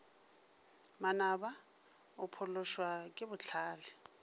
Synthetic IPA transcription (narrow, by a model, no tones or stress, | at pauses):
manaba | ʊpʰʊlʊʃwakʼɪbʊt͡ɬʰaːlɪ